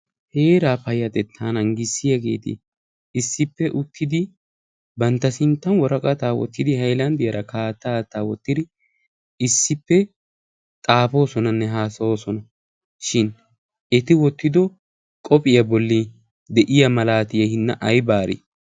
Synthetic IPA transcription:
he̞ːɾaːpɐjːɐt̪ɛt̪ʰːaːnɐŋɡɪsːɪjɐɡe̞̰ːt̪ɪ̰ | ɪsːɪpːɛʔʊt̪ʰːɪd̪ɪ | bɐnt̪ːɐsɪnt̪ːɐnwɔɾɐkʼɐt̪aːwɔ̰t̪ːɪd̪ɪhɐjlɐnd̪ɪjɐɾɐkʰaːt̪ːaːt̪ːaːwɔt̪ːɪd̪ɪ | ɪsːɪpːɛ | t̪ʼaːpo̞ːsɔnɐnːɛɦaːsɐwoːsɔnɐ | ʃɪn | ɛt̪ɪwɔt̪ːɪd̪ɔ | kʼɔpʼɪjɐbɔlːi | d̪ɛʔɪjɐmɐlaːt̪ɪjɐhɪnːɐʔɐjbaːɾɪ̰

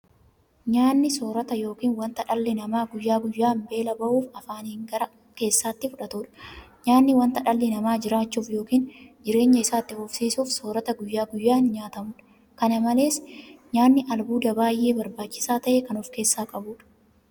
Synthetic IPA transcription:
ɲaːnːɪsoːɾɐt̪ɐjo̞ːkiːnwɐnt̪ɐᶑɐlːɪnɐmaːɡʊjːaːɡʊjːaːmbe̞ːlɐbɐʔuːfɐfaːnhɪŋɡɐɾɐ | ke̞ːsːaːt̪ːɪfʊᶑɐt̪uːᶑɐ̥ɲaːnːɪwɐnt̪ɐᶑɐlːɪnɐmaːd͡ʒɪɾaːt͡ʃːuːfjo̞ːkiːnd͡ʒɪɾe̞ːɲːɐɪsaːt̪ːɪhʊfsiːsuːfsoːɾɐt̪ɐɡʊjːaːɡʊjːaːnɲaːt̪ɐmʊᶑ | kɐnɐmɐle̞ːsɲaːnːɪʔɐlbuːd̪ɐbaːjʔe̞ːbɐɾbaːt͡ʃːɪ̥saːt̪ɐʔeːkɐnɔfke̞ːsːaːkʼɐbuːᶑɐ̥

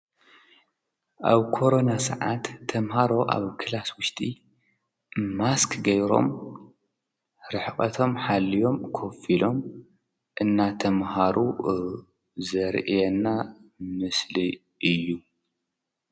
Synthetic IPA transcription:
ʔaβkʰo̞ɾo̞nasɐ̰ʕat̪ʰːɐmhaɾo̞ʔa̰βkʰɨlaswʊʃt̪ʼi | maskʰɡɐjɾo̞̰m | ɾɨħχʼɐt̪ʰo̞mħalːijo̞mkʰofilo̞m | ʔɨnːat̪ʰɐmhaɾu | zɐɾʔijɛnːamɨsli | ʔɨjːu

